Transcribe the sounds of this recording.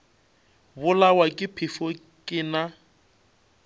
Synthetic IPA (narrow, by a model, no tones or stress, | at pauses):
bʊlawakʼɪpʰɪfɔ | kʼɪna